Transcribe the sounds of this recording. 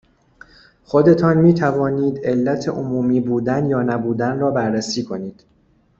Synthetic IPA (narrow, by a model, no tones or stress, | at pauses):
xo̞d̪e̞t̪ʰɒːnmiːt̪ʰævɒːniːd̪e̞lːæt̪ʰeʔomuːmiːbuːd̪ænjɒːnæbuːd̪ænrɒːbæɾːæsiːkʰo̞niːd̪̥